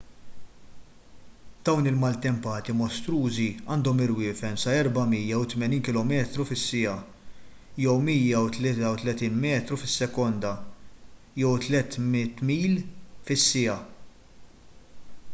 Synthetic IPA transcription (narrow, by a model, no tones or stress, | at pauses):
d̪̥ɐwnɪlmɐlt̪ɛmpɐːt̪imɔst̪ɾuːziɐːnd̪ɔmɪɾwɪːfɛmsɐɛɾbɐmiːjɐwt̪mɛniːnkɪlɔmɛːt̪ɾufɪsːɪɐ | jɛwmiːjɐwt̪lɛt̪ɐwt̪lɛt̪iːnmɛːt̪ɾufɪsːɛkɔnd̪ɐ | jɛwt̪lɛt̪mɪt̪miːlfɪsːɪjɐ